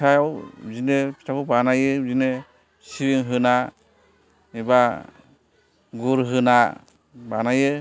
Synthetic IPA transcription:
ajawzinepʰi̥tʰakʰubanajɯzine | siwiŋɦɯna | iba | ɡuɾɦɯna | banajɯ

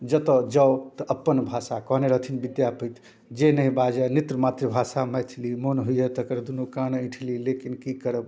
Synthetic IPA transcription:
d͡ʒət̪od͡ʒəwt̪əʔəpːənbʱasakɔɦneɾəɦt̪ʰinbid̪japəjt̪ʰ | d͡ʒenəɦĩbad͡ʒənit̪ɾəmat̪ɾebʱasamɛjt̪ʰlimonɦuiet̪əkəɾd̪unukanĩʈʰlilekinkikəɾəb

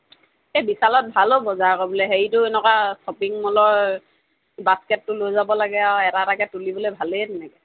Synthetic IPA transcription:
ɛbisalɔt̚bʱalobɔzaɹkɔbɔlɛɦeɹitʊɛnɛkasɔpiŋmɔlɔɹ | baskɛtːʊlojzabɔlaɡɛawɛtaɾakɛtulibɔlojbʱaledɛnɛkɛ

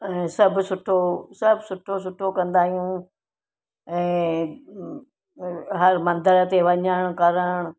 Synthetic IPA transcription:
ɛ̃ːsɐbʱsʊʈʰosɐbʱsʊʈʰos̬ʊʈʰːokɐ̃nd̪aːɦijũ | ɛ̃ː | ɦɐɾmɐ̃nd̪əɾət̪eʋɐɲəɽ̃ʊkɐɾəɽ̃ʊ

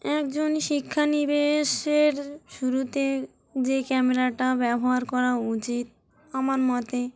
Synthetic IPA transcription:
ɛkd͡ʑonʃikʰːanibeʃeɾʃuɾut̪e | d͡ʑekɛmeɾaʈabɛboɦaɾkɔɾaut͡ɕit̪̚ | amaɾmɔt̪e

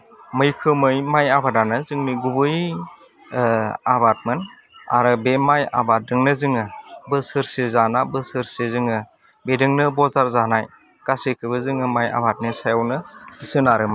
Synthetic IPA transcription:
mɯjkʰɯmɯjmajabʱadanɯzɯŋniɡubɯj | abat̚mɯn | a̰ɾɯbemaja̰bat̚dɯŋnɯzɯŋɯbɯsɯɾsezanabɯsɯɾsezɯŋɯ | bedɯŋnɯbɔzaɾzanaj | ɡ̥asekʰɯbɯzɯŋɯmaja̰bʱat̚nisajawnɯisɯnaɾɯma

